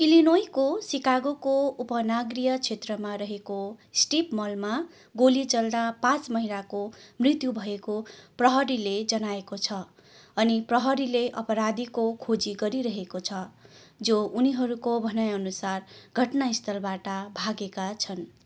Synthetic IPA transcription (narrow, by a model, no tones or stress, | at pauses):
ilinojkosikaɡokoupʌnaɡrijʌt͡sʰet̪rʌmaɾʌɦekosʈipmʌlma | ɡolit͡sʌld̪apãt͡smʌɦinakomrit̪jubʱʌekoprʌɦʌɾiled͡zʌnaekot͡sʰʌ | ʌniprʌɦʌɾileʔʌpʌɾad̪ikokʰod͡ziɡʌɾiɾʌɦekot͡sʰʌ | d͡zouniɦʌɾukobʱʌnajʌnusarɡʱʌʈnaist̪ʰʌlbaʈʌbʱaɡekat͡sʰʌn